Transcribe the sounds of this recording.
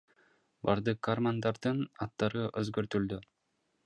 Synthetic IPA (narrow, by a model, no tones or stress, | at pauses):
bɑɾd̪ɯqːarmand̪ɑɾd̪ɯnɑt̪ːɑɾɯʔɵzɡɵɾt̪yld̪y